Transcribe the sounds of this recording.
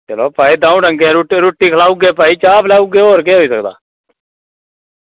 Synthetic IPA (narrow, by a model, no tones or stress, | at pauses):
t͡ʃəloːpaːiːd̪ãːũːɖəŋɡẽːɾuʈeɾuːʈːiːkʰəlaːʊɡeːpaːiːt͡ʃaːpʰlaːʊɡeːoːɾkeːɦoːiːsəkd̪a̰ː